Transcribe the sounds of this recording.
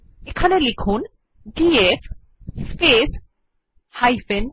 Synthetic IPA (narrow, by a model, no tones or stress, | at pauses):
ekʰanelikʰun | ɖief | spes | hajfen